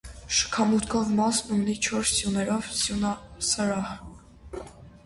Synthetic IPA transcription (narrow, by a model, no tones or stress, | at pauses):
ʃə̥kʰɑmut̪kʰɔvmɑsumnit͡ʃʰɔɾsːjunɛɾɔvsjunɑsəɾɑh